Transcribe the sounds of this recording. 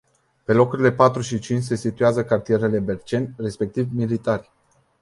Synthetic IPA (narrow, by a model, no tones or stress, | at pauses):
pe̞lo̞kuɾile̞pat̪ɾuʃit͡ʃint͡ʃʲse̞sit̪ueazəkart̪ije̞ɾe̞le̞be̞rt͡ʃe̞nʲre̞spe̞k̚t̪ivmilit̪arʲ